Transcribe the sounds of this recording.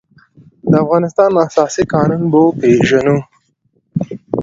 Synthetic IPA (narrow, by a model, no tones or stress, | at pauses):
d̪əafɣɑːnɪst̪ɑːnasɑːsikɑːnunbopeʒɐnu